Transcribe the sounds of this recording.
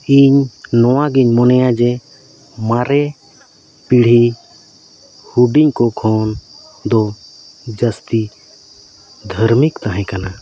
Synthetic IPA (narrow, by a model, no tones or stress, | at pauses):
iɲnɔwaɡiɲmɔnɛjãd͡ʒɛ | maɾɛ | piɽ̤i | huɖiɲkɔkʰɔn | d̪ɔ | d͡ʒəst̪i | d̪ʱəɾmikt̪aɦɛ̃kana